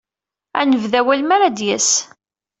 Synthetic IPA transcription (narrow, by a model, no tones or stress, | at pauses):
ænəvðæwælmæɾad̪jæs